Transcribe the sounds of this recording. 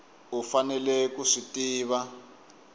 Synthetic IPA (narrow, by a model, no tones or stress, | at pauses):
ufanɛlɛkuʂitiːβa